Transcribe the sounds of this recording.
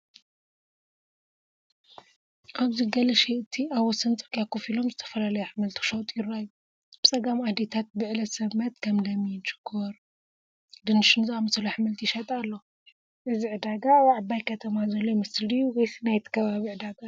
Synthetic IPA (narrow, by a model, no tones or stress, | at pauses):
ʔaβziɡɐlɐʃeʔɨt̪ʰiaβɐsɐnt͡sʼɨɾkʼakʰufilo̞mzɨt̪ʰɐ̥fɐlalɐjɛħmɨlt̪ʰi̥ʃowt̪ʼjɪrːajːu | b̥ɨt͡sʼɐɡamad̪et̪ʰat̪̚bɨʕlɐsɐβmɐt̪kʰɐmlɐmːijnt͡ʃɨ̥kʰːoɾ | d̪ɨnɨʃɨnzɨamɐsɨluħmɨlt̪ʰiʃɐt̪ʼalːo̞ | ʔɨziʕɨd̪aɡawʕabajkʰɐt̪ʰɐmazɐlːomɐslijuwɔjsinajt̪ʰi̥kʰɐβaβiʕɨd̪aɡa